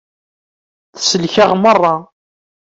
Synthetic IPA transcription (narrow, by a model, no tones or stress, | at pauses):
θsəlçəʁmərˤːɑ